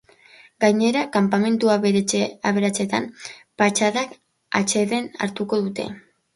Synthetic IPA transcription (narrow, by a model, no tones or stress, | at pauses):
ɡajɲe̞ɾakampame̞nt̪uaaβe̞ɾat͡se̞t̪ampat͡ʃaðak | a̰t͡ʃe̞ðe̞na̰ɾt̪uko̞ðut̪e̞̰